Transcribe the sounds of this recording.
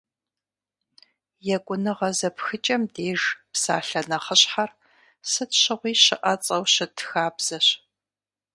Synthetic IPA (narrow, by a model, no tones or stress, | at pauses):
jɛkʷʼʊnɨʁɐzɐpxɨt͡ʃʼɐmdeːʒpsa̰ːɬɐnɐχəɕħar | sɨtɕɪʁʷiːɕɪʔɐt͡sʼɐwɕɪtʰxaːbz̥ɐɕ